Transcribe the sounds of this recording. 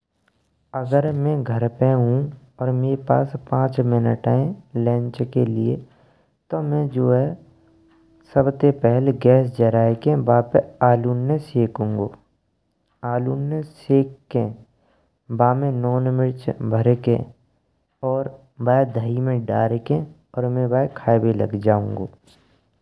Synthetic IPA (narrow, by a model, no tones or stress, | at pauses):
əɡəɾmɛ̃ɡʱəɾpẽɦũ | ɔːɾmeːɾepa̰ːspãːt͡ʃmɪnəʈaːẽlɛ̃ːɲt͡ʃkelɪḛ | t̪omɛ̃d͡ʒoːɦɛ | səbt̪epɛɦlɡɛːs̬d͡ʒəɾaːekẽbaːpeaːluːnːeseːkũːŋɡoː | aːluːnːẽseːkkːẽ | baːmẽnɔːnmɪɾt͡ʃbʱəɾekḛ̃ | ɔːɾ | baːed̪ʱəimẽɖaːɾekẽ | ɔːɾmẽbaːekʰaːbelə̰ɡd͡ʒaːũːŋɡoː